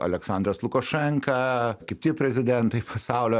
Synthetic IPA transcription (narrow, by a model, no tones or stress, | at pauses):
ɐ̰lʲɛksɑnd̪ɾɐslˠʊkɐʃʲɛŋkɐkʲɪt̪ʲɪpʲɾʲɛzʲɪd̪ʲɛnt̪ɐɪpʰɐsɑˑʊlʲoː